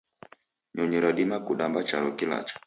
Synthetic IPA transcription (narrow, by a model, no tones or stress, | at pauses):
ɲɔɲɔɾaɗimakuɗambat͡ʃaɾɔkila̰t͡ʃḁ